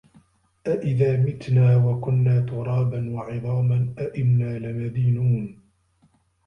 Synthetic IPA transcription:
ʔaʔɪðaːmɪt̪naːwakʊnːaːt̪ʊɾˤɑːbanwɑʕɨðˤɑːmanʔaʔɪnːaːlɪmad̪iːnuːn

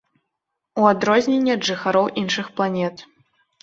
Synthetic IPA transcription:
uad̪ɾɔzʲnʲenʲːɛɐd̪ʐɨxaɾɔwʔinʂɨxplˠanʲɛt̪

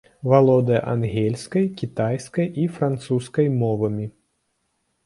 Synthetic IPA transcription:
valˠɔd̪ɐjɐ̰ʔa̰nɣʲɛlʲskɐjkʲit̪ajskɐjifɾant̪suskɐjmɔvɐmʲi

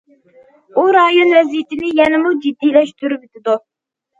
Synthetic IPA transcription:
uɾɑjonwɛzijɪt̪ʰɪnɪjɛnɪmud͡ʒid̪ːijlɛʃt̪yɾybɪt̪ɪd̪u

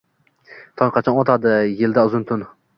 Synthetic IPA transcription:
t̪ʰɒnqʰɑt͡ʃʰɒnɒt̪ʰad̪ɪjɪld̪aʊzɪnt̪ʰʊn

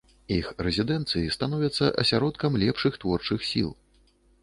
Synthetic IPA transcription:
ixrɛzʲid̪ɛnt̪sɨjist̪anɔvʲɐt̪sːɐʔɐ̰sʲaɾɔt̪kɐmlʲɛpʂɨxt̪vɔrt͡ʂɨxsʲḭlˠ

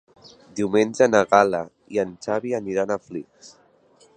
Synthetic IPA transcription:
d̪iumenʲd͡ʒənaɣala | iənt͡ʃaβianiɾanafliks

